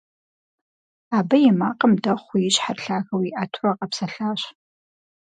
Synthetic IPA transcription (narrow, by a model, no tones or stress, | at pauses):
aːbɐjɛmaːqʼəmdɐχʷʊjɪɕħarɬaːɣɐwiːʔaːtʰʊraːqʼɐpsɐɬaːɕ